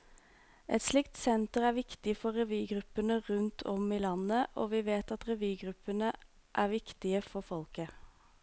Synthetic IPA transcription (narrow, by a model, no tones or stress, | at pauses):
ʔɛt̪slɪkt̪sɛnt̪əʁæːʋɪkt̪ɪfɔʁɛʋyːɡʁʉpːənəʁʉnt̪ʰɔmiːlɑnəʔo̰ːʋiːʋeːt̪ɑt̪ʁɛʋyːɡʁʉpːənə | ʔæːʁʋɪkt̪ɪəfɔfɔlkə